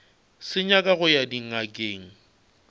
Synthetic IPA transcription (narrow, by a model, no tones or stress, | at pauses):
sɪɲakʼaɣʊjadiŋ̩akʼeːŋ̩